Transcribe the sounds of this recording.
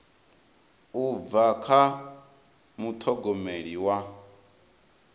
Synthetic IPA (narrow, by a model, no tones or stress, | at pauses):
ub̪vakʰa | mut̪ʰɔɡɔmeɺiwa